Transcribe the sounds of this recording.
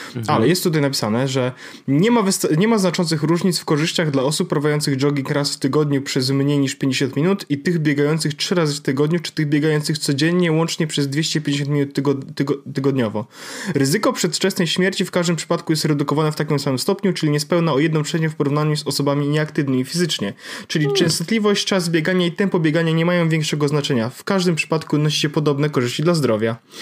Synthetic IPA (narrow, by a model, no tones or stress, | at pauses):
alɛjɛst̪ːut̪ajnapʲi̥sanɛʐɛ | ɲɛmavst̪ɲɛmaznat͡ʂɔnt̪sɨxɾuʐɲit̪sfkɔʐɘɕt͡ɕaɣd̪laɔsupːɾavajɔnt̪sɨɣɖ͡ʐɔɡʲiŋkɾasft̪ɘɡɔd̪ɲupʂɛzmɲejɲiʂpʲjɛeɲd͡ʑeɕɔnt̪mʲinut̪it̪ɘɣbʲjɛɡajɔnt̪sɘxtʂɘɾazɘft̪ɘɡɔd̪ɲut͡ʂɘ̥t̪ɘɣbʲjɛɡajɔnt̪sɨxt̪sɔd͡ʑɛɲːɛwɔnt͡ʂɲɛpʂɛzd̪vʲjeɕt͡ɕɛpʲjeɲd͡ʑeɕɔnt̪mʲinut̪ːɡ̪ɡt̪ɘɡɔd̪ɲɔvɔɾɘzɘkɔpʂɛt̪t͡ʂɛsnɛjɕmʲjɛɾt͡ɕifkaʐd̪ɘmpʂɘ̥pat̪kujɛst̪ɾɛd̪ukɔvanɛft̪akʲimsamɘmst̪ɔpɲut͡ʂɘlʲiɲɛspɛwnaɔjɛd̪nɔ̃mpʂɛɲɛfpɔɾuvnaɲuzɔsɔbamʲiɲɛakt̪ɘvnɘmʲifʲizɘt͡ʂɲɛt͡ʂɘlʲit͡ʂɛ̃w̃st̪t̪lʲivɔɕt͡ɕt͡ʂazbʲjeɡaɲait̪ɛmpɔbʲjeɡaɲaɲɛmajɔ̃w̃vʲjɛ̃ŋkʂɛɡɔznat͡ʂɛɲafkaʐd̪ɘmpʂɘ̥pat̪kunɔɕi̥ɕɛpɔd̪ɔbnɛkɔʐɘɕt͡ɕid̪lazd̪ɾɔvʲja